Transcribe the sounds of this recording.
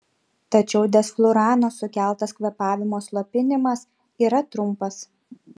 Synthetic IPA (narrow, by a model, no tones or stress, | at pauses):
t̪ɐt͡ʃʲɛʊd̪ʲɛsklˠʊɾɑːnosʊkʲæˑlˠˑt̪ɐskʋʲɛpɑːʋʲɪmoːslˠopʲɪnʲɪmɐs | iːɾɐt̪ɾʊmpɐs